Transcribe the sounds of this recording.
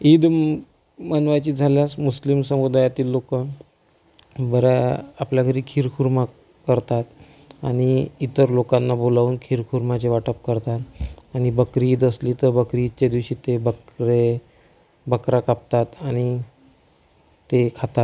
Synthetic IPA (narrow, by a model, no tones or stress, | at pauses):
id̪ | mənʋat͡ɕiːd͡zʱaljasmuslimsəmud̪ajat̪iːlːokə | bəɾəapljakʰəɾiːkʰiɾkʰuɾma | kəɾt̪at̪ | aɽ̃iːt̪əɾlokanːabolaʋuːnkʰiɾkʰuɾmat͡ɕeʋaʈəp̚kəɾt̪at̪aɽ̃ibəkɾiːd̪əsliːt̪əɾbəkɾiːt͡ɕed̪iʋɕiːt̪ebəkɾe | bəkɾakap̚t̪at̪aɽ̃i | t̪ekʰat̪at̪